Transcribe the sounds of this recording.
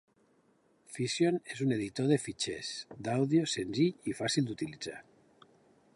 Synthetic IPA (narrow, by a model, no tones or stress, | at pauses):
fisjonezuneð̞it̪oð̞efit͡ʃesd̪awðiosenziʎifasilˠd̪ut̪ilid͡za̰